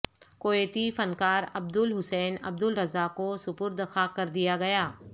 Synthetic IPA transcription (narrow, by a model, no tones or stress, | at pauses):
koːeːt̪ifɐnkaːɾɐb̚d̪ʊlɦʊsɛːnɐ̰bd̪ʊlɾɐzakosʊpʊɾd̪əxaːkɐɾd̪ijaɡɐjaː